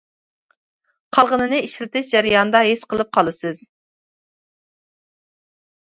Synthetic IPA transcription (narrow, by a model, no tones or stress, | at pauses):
qʰɑlˠʁənɨnɨiʃlɪt̪ɪʃd͡ʒæɾɪjɑnd̪ɑɦesqəlˠɨp̚qʰɑlˠɨsɨz